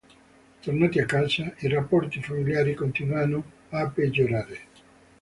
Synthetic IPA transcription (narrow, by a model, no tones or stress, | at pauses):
t̪ornaːt̪iakːat͡ʃairapːɔrt̪ifamiljaːɾikont̪inwanːo | apːed͡ʒːoɾaːɾe